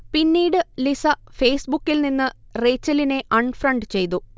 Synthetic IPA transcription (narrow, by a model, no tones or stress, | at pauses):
pinːiːɽɨlisɐfe̞ːsbukːilninːɨre̞ːt͡ɕːɐline̞ʔɐɳɖfrɐɳɖt͡ɕe̞jt̪u